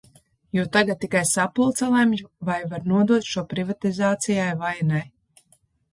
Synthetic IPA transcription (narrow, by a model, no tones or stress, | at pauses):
juwt̪aɡat̪̚tːikajsapulˠt̪salˠamjuvajvaɾnuɔd̪uɔt̪ʃuɔpɾivat̪izaːt̪sijajvajnaj